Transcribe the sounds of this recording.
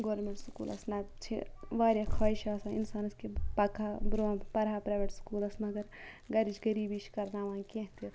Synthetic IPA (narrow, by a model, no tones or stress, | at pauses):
ɡoːɾmẽɳʈsukṵːlʔɐ̰snɐt͡ʃʰḭʋaːɾjakʰaːiʃaːsãḭnsaːnɐskepɐkʰabɾõːpɐɾɦaːpɾaːjʋeʈskuːlɐsmɐɡɐɾ | ɡɐɾid͡ʒɡɐɾiːbiʃkɐɾnaːʋãːkẽɦt̪e